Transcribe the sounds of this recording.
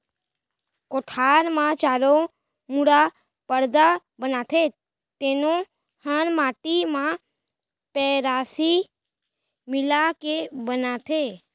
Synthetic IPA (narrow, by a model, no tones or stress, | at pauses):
koːʈʰaːɾmãt͡ʃaːɾo | muɽa | pəɾd̪a | bənaːt̪ʰe | t̪eːnõ | hənmaːt̪imã | pɛɾaːsi | mɪlakebənat̪ʰe